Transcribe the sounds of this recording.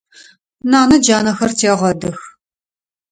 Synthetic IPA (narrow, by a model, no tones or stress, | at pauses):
naːnɐd͡ʒaːnɐxɐrtʰeːʁʷɐdɨx